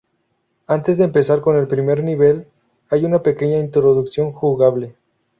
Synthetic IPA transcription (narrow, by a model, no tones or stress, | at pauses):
ant̪e̞zðeːmpe̞saɾko̞ne̞lpɾime̞ɾniβe̞l | ajunape̞ke̞ɲaint̪ɾo̞ðuksjo̞ŋxuɣaβ̞le̞